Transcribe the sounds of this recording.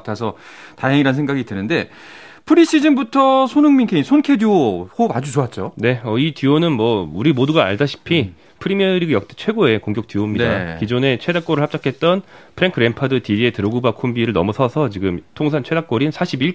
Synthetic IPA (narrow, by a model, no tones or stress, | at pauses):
tʰasʰʌ | taɦeŋiɾansʰŋɡaɡidɯnɯnde̞ | pʰɯɾiɕ͈id͡ʑimbutʰʌsʰonɯŋminkʰeinsʰonkʰeduohobad͡ʑut͡ɕoat̚t͡ɕ͈one̞ʌitionɯnmwʌuɾimoduɡaːɭdaɕʰi̥pʰi | pʰɯɾimiʌɾiɡajʌk̚t͈ʰet͡ɕʰwe̞ɡoe̞koŋkjok̚t͈ɥiomɲida̰kid͡ʑone̞t͡ɕʰwe̞dak͈oɾɯɭhap̚t͡ɕ͈akʰe̞t̚t͈ʌnpʰɯɾeŋkʰɯɾe̞mpʰadɯtiie̞tɯɾoɡubakʰombiɾɯɭnʌ̰musʰʌsʰʌt͡ɕiɡɯmtʰoŋsʰant͡ɕʰwe̞dak͈oɾinɯnsʰaɕʰibiɭ